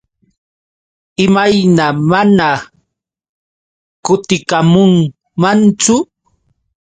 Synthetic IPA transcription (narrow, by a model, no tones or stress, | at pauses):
ɪmajnamana | kʊt̪ɪkamʊŋ | mant͡sʊ